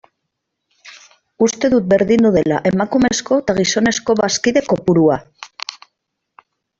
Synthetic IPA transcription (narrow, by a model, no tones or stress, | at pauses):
ust̪e̞ðut̪̚be̞ɾðind̪uð̞e̞la̰ʔe̞makumesko̞t̪aɣ̞iso̞ne̞sko̞βaskiðe̞ko̞puɾua